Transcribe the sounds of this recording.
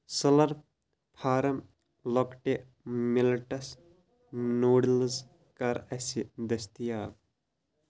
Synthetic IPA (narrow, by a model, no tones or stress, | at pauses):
sɐlɐɾ | pʰaːɾɐm | lɔkʈe | milʈɐs | noːɽilz | kɐɾɐsid̪ɐst̪ijaːb̚